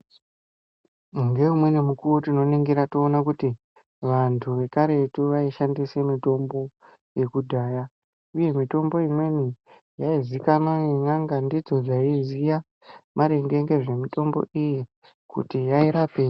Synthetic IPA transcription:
ŋɡe̞umwe̞nemukurotino̞niŋɡiɾatoːnakuti | ʋantʰuʋe̞kaɾe̞tuʋaiʃandise̞mito̞mbo̞ | je̞kudʱaːja | uje̞mito̞mbo̞imwe̞ni | jaizikanaenaŋɡandid͡zo̞d͡zaizija | maɾe̞ŋɡeŋɡe̞ʐe̞mito̞mbo̞̰iji | kṵtijaiɾape

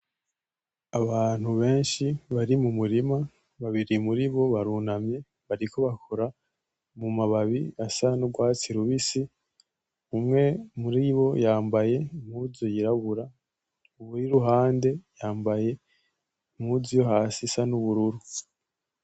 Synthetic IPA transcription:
aβaːn̥huβe̞ːnʃiβaɾimumuɾima | βaβiɾimuɾiβo̞βaɾunamɲe̞ | βaɾiko̞βakʰoɾa | mumaβaβiasanuɡwaːt͡siɾuβisi | umŋe̞muɾiβo̞jaːmbaje̞mhuzojiɾaβuɾa | uβuɾiɾuɦaːnde̞jaːmbaje̞ | mhuzijoɦaːsisanuβuɾuɾu

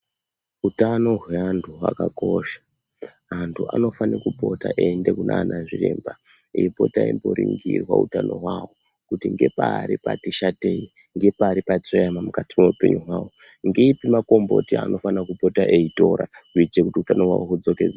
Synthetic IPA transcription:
utano̞ɦwe̞antʰuwa̰kako̞ʃḁ | antʰua̰no̞fanikupo̞ta̰ʔendekunʔanʔaʐirḛːmba | ejipo̞taimboɾiŋɡirwa̰ṵtano̞ɦwawo | kutiŋɡe̞paːɾipatiʃate̞i | ŋɡe̞paːɾipat͡sejamamukatimeupeɲuɦwaːwo | ŋɡeipimako̞mbo̞̰tia̰nʔo̞fanakupo̞taʔeito̞ɾa̰uit͡ʃekutiutanoɦwa̰wokud͡zo̞ke̞ːd͡za

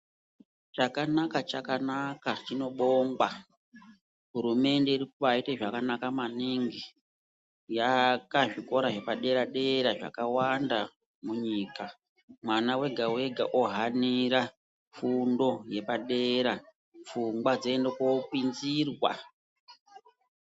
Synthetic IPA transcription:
t͡ʃakanakat͡ʃakanakat͡ʃino̞ɓoŋɡwa | ɦuɾume̞nde̞iɾikuʋaiteʐakanakamaniŋɡe | jakaʐiko̞ɾaʐe̞paɗe̞ɾaɗe̞ɾaʐa̰kawanda | muɲiːka | mwanawe̞ɡʱawe̞ɡʱa̰ʔoɦaniɾa | fundo̞je̞paɗe̞ɾa | fuŋɡwad͡zeːndekokwinzirwa̰

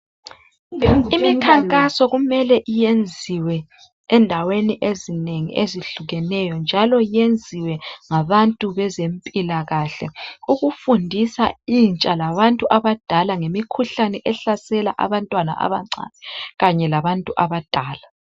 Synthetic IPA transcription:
imikkʰaŋkʼasɔɣumɛlɛʔijend͡zʱiwɛ | ɛndʱaweniʔezineŋḭʔeziɬuɣɛnɛjɔnd͡ʒʱalɔjend͡zʱiwɛŋaβantʼuβɛzempʼilaɣaɬɛ̰uɣufundʱisaint͡ʃʼalaβantʼuʔaβad̥ʱalaŋemikʰuɬanɛʔɛɬasɛla̰ʔa̰βantʼwana̰ʔa̰βaŋ͡ǀa̰ːnɛɣaɲɛlaβantʼuʔaβad̥ʱaːla

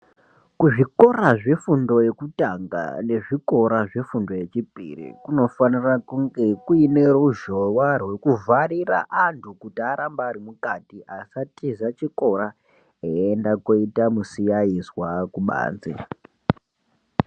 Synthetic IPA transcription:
kuʐiko̞raʐe̞fundo̞je̞kutaŋɡa̰ne̞ʐiko̞ɾaʐefundo̞je̞t͡ʃipḭrḭkuno̞fanirakuŋɡe̞kuine̞ruʒowarwe̞kuvaɾira̰ʔantʰukutiaɾambaːɾimukatiʔasatizat͡ʃiko̞ɾa | eendakoitamusijaizwakuɓa̰ːnd͡zḭ

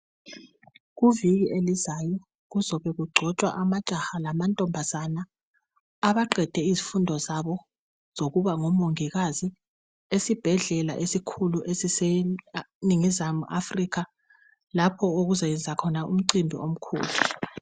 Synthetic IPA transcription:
ɣuviɣiʔelizajɔ | ɣuzɔβɛɣuɡ͡ǀʱɔt͡ʃʼwa̰ʔamat͡ʃʼahalamantʼɔmbʱazanaː | βaǃɛd̥ʱɛizifundʱɔzaβɔ | z̥oɣuβaŋɔmoŋiɣazi | esib̥ʱɛɮɛla̰ʔesikʰuluʔesise | niŋizamuʔa̰frikʰa | lapʰɔoɣuzajɛnd͡zʱakʰɔnaṵm̩ǀimbʱḭʔom̩kʰṵːlu

